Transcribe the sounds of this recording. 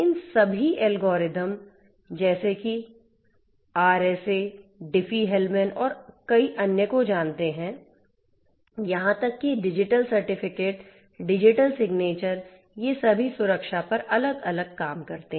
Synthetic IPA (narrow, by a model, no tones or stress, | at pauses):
ɪnsɐbʱiʔɛlɡɔːɾɪd̪əm | d͡ʒɛːseki | aːɾɛːseɖɪfʰiɦɛlmɛnɔːɾkɐiʔɐnjəkod͡ʒãːnt̪eɦɛ̃ | jɐɦãt̪ɐkːiɖɪd͡ʒɪʈəlsɐɾʈɪfɪkeːʈ | ɖɪd͡ʒɪʈəlsɪɡneːt͡ʃəɾ | jesɐbʱisʊɾəkʃapɐɾʔɐləɡɐləɡ̚kaːmkɐɾt̪eɦ